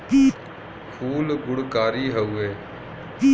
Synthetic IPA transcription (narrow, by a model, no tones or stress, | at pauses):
piː | kʰuːlɡʊɽkaːɾiːɦəuːeː | iː